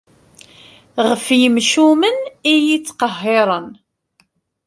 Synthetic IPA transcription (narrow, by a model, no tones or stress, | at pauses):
ʁəfjəmʃumənijit͡sːqɑɦːeɾˤən